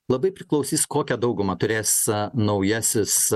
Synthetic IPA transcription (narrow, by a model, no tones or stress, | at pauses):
lˠɐbɐɪpʲɾʲɪklˠɒʊsʲiːskoːkʲɛd̪ɐʊɡʊmɐt̪ʊɾʲeːsnɐʊjɛsʲɪs